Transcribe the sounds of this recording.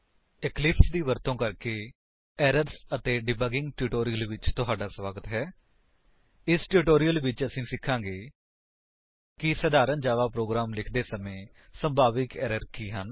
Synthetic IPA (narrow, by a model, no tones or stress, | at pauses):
ɪklɪpsd̪iːʋəɾt̪õːkəɾkeː | ɛːɾəɾsət̪eːɖɪbəɡɪ̃ŋɡʈuːʈoːɾijəlʋɪt͡ʃt̪ʊɦaːɖaːsʋaːɡət̪ɦɛː | ɪsʈuːʈoːɾijəlʋɪt͡ʃəsĩːsɪkʰːãːɡeː | kɪsəd̪aːɾənd͡ʒaːʋaːpɾoːɡɾaːmlɪkʰd̪eːsəmẽː | sə̃mbʱaːʋɪkɛːɾəɾkiːɦən